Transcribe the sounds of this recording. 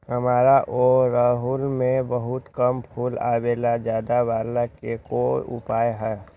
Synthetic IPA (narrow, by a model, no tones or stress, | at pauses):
həmaːɾaʔoːɾaːɦulmẽbəɦʊt̪kəmpʰuːla̰ːweːlad͡ʒjaːd̪aʋaːlakekoʊ̰paːjɦɛː